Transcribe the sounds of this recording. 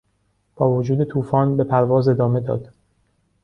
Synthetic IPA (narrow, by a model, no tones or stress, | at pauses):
b̥ɒːvod͡ʒuːd̪e̞t̪ʰuːfɒːnbe̞pʰæɾvɒːze̞d̪ɒːme̞d̪ɒ̰ːd̪̥